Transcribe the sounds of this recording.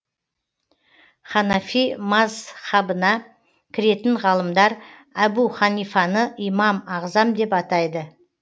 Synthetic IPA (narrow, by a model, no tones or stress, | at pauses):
χɑnɑfimɑzχɑbənɑ | kʲʰɪɾe̞t̪ɪɴʁɑlˠəmd̪ɑɾæbuχɑnijfɑnəʔijmɑmɑʁzɑmd̪e̞pɑt̪ɑjd̪ə